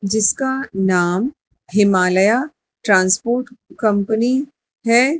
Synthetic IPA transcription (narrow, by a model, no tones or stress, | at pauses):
d͡ʒɪskanaːm | ɦɪmaːləja | ʈɾãːnspoːɾʈkɐ̃mpəni | ɦɛː